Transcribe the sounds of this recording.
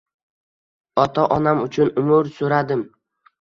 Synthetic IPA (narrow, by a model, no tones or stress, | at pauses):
ɒt̪ʰaʔɒnamʊt͡ʃʰʊnʊmʊɾsoɾad̪ɪm